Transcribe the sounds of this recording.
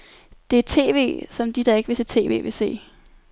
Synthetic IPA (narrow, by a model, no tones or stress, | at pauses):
d̥e̝t͡sʰe̝̰ːʋe̝̰ːsɒ̽md̥id̥ɑ̈e̝ɡ̥ʋe̝sʰet͡sʰe̝̰ːʋe̝̰ːʋe̝se̝̰ː